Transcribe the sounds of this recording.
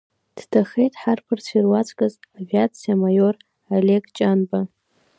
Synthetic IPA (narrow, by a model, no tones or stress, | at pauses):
d̥tʰaχe̞jtʼħarpʰɨrt͡sʰirwat͡sʰʼkʼazavʲiat͡sʰijamajor | alekt͡ʃʼanba